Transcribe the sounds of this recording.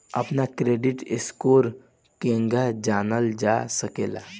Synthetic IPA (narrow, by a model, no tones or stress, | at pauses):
əpnakɾeːɖɪʈɪskoːɾ | kẽŋɡad͡ʒaːnəld͡ʒasəkeːla̰